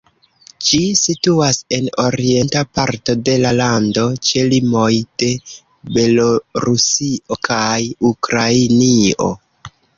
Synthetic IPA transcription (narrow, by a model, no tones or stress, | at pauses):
d͡ʒisituase̞no̞ɾie̞ntapaɾto̞de̞lalando̞t͡ʃe̞limo̞jd̥e̞ | be̞lo̞ɾusiʔo̞kʰajukɾainio̞̰